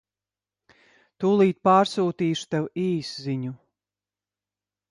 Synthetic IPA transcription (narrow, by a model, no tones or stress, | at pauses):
t̪uːlˠiːt̪̚paːɾsuːt̪iːʃu̥t̪ɛwiːsziɲu